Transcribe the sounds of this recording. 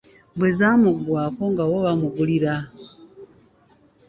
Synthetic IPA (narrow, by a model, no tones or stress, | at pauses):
bwezaːmuɡwaːko̞ŋɡawoβamuβuliɾa